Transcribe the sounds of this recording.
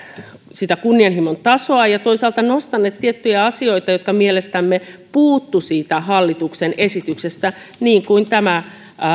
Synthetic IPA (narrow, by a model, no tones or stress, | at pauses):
sit̪ækunːiɑnhimont̪ɑsoɑjɑt̪oisɑːlt̪ɑnost̪ɑnːeːt̪t̪iet̪ːyjæɑsioit̪ɑjot̪kɑmielest̪æmːepuːt̪ːusiːt̪æhɑlːit̪uksenʔesit̪yksest̪æ | niːŋkuint̪æmæ